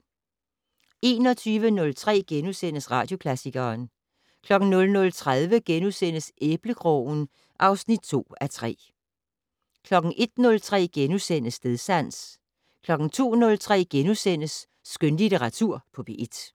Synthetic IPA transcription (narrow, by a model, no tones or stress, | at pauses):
ʔe̝ːnɒ̽t͡sʰyːʋənɔ̽lt͡sʰʁɛ̰ːɡ̥enusen̰əsʁɑ̈d̥jo̝kʰlæsiɡ̥ɐːn | kʰlɒ̽ɡ̥n̩nɔ̽lnɔ̽lt͡sʰʁaðˠʋəɡ̥enusen̰əsʔeb̥ləkʰʁɔʊn̩ | ʔɑ̈ʊsnid̥̚t͡sʰo̝̰ːæt͡sʰʁɛ̰ː | kʰlɒ̽ɡ̥n̩ʔe̝d̥nɔ̽lt͡sʰʁɛ̰ːɡ̥enusen̰əsd̥e̝ðˠsæn̰s | kʰlɒ̽ɡ̥ŋ̩t͡sʰo̝̰ːnɔ̽lt͡sʰʁɛ̰ːɡ̥enusen̰əsː | ɡ̥ønlit͡sʰəʁɑ̈t͡sʰuɐ̰pʰɒ̽b̥e̝ʔed̥